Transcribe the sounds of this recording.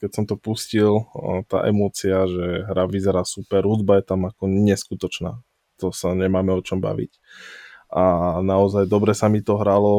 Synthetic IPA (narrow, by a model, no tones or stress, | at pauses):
kɛcsɔmt̪ɔpuscilt̪a̰ːʔɛmɔːt͡siaʒɛɦɾaʋizɛɾaːsupɛɾɦud̪bajɛt̪amakɔɲɛskut̪ɔt͡ʃna̰ː | t̪ɔsaɲɛmaːmɛɔt͡ʃɔmba̰ʋḭc | ʔanaɔzajd̪ɔbɾɛsamit̪ɔɦɾalɔ